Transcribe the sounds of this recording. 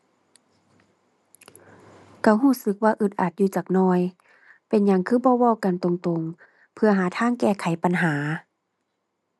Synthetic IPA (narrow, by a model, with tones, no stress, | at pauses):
kʰa˧˩wɦuː˧˥˩sɯ˧˦k̚waː˧ʔɯ˧˩t̪̚ʔa˨˩t̪̚juː˧t͡ɕaː˨˩k̚nɔː˧˩j | pe˨˦nɲa˧˦ŋkʰɯː˧˥˩bɔː˧˦wa˧˨wka˨nt̪o˨ŋt̪o˨˩ŋ | pʰɯ˧ɐɦaː˨˦t̪ʰaː˧˥˨ŋkɛː˧˩kʰa˨˦jpa˨nɦaː˩˦